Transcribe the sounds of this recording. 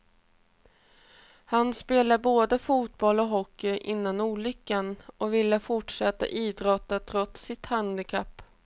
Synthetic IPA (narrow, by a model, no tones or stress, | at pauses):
hanspeːlaboːd̪əfuːt̪̚bɔlɔɦɔkːɪʔɪnːanuːɭʏkːanɔvɪlːəfʊʈʂɛt̪ːa̰ʔiːd̪ɾɔt̪ːat̪ʰɾɔt̪sɪt̪hand̪ɪkʰapː